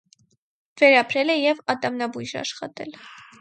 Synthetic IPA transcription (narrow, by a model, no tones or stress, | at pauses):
vɛɾɑpʰɾɛlɛjɛvɑt̪ɑmnɑbujʒɑ̰ʃχɑ̰t̪ɛ̰l